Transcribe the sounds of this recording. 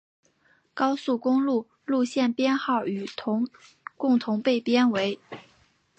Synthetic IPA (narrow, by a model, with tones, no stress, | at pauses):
kɑ˥ʊsu˥˩kʊ˥ŋlu˥˧ | lu˥˧ɕjɛ˥˩npjɛ˥nxɑ˥˩ʊy˨˩t̪ʰʊ˧˥ŋ | kʊ˥˩ŋt̪ʰʊ˧˥ŋpe˥˩ɪpjɛ˥nwe˧˥ɪ